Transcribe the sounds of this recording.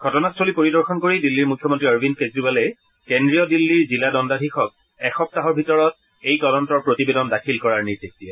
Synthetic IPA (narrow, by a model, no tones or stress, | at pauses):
ɡʱɔtɔnastʰolipoɹidɔɹxʰɔnkoɹidilːiɹmukʰːjɔmɔntɹiaɹbʱinkezɹibalɛ | kendɹijɔdilːiɹziladɔndadʱixɔk̚ | ɛxɔp̚taɦɔɹbʱitɔɹɔt̚ | ejtɔdɔntɔɹpɹotibedɔndakʰilkɔɹaɹniɹdik̚tiɛ